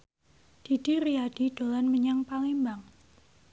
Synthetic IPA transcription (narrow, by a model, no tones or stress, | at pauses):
d̥id̥iriad̥id̥o̤lanməɲaŋpaŋimbaŋ